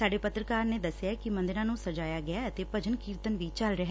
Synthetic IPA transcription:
saːɖeːpət̪ɾəkaːɾneːd̪əsːjaːkɪmənd̪ɪɾãːnũːsəd͡ʒaːjaːɡɪaːət̪eːpəd͡ʒənkiːɾt̪ənʋiːt͡ʃəlɾəɦɛː

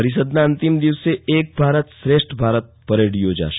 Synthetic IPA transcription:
əɾɪs̬əd̪naɐ̃nt̪ɪmd̪iʋsːeeːk̚bʱaːɾət̪sɾeːʃʈbʱaːɾət̪̚pəɾeːɽijoːd͡ʒa̰ːʃ

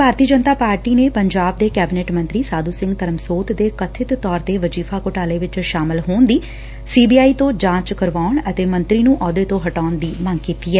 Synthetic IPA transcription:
bʱaːɾt̪iːəd͡ʒənt̪aːpaːɾʈiːneːpəɲd͡ʒaːb̚d̪eːkɛːbɪneːʈmə̃nt̪ɾiːsaːd̪uːsɪ̃ŋɡt̪əɾəmsoːt̪d̪eːkət̪ʰːɪt̪t̪ːɔːɾt̪eːʋəd͡ʒiːfʰaːkʊʈaːleːʋɪt͡ʃʃaːmɪlɦoːnd̪iː | siːbiːaːiːt̪õːd͡ʒãːt͡ʃkəɾʋaːʊɳət̪eːmə̃nt̪ɾiːnũːʔɔːd̪eːt̪õːɦəʈaːʊnd̪iːməŋɡkiːt̪iːɛː

